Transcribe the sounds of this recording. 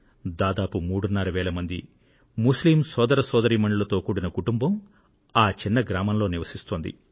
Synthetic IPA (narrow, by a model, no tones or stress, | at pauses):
d̪aːd̪aːpumuːɽunːɐɾɐʋɛːɭɐmɐnd̪i | musliːmsɔːd̪ɐɾɐsɔːd̪ɐɾiːmɐɳɖulɐt̪o̞ːkuːɽinɐkuʈumbɐm | aːt͡ʃinːɐɡɾaːmɐnlo̞ːniʋɐsist̪oːnd̪ḭ